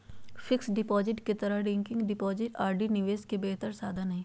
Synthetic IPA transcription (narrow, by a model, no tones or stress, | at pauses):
fʰɪksɖɪpɔːd͡ʒɪʈket̪ɐɾəɦɖɛ̃ːŋkɪ̃ŋɡɖɪpɔːd͡ʒɪʈaːɾɖinɪʋeːskebeːt̪əɾsaːd̪ʱanɐɦĩː